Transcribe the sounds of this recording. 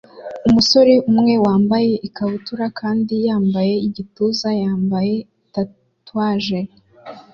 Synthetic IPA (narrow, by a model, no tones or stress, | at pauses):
umuso̞ɾeumŋe̞waːmbaje̞ʔikaβutuɾakʰaːndijaːmbaje̞iɟituzajaːmbaje̞ | ta | twaːʒe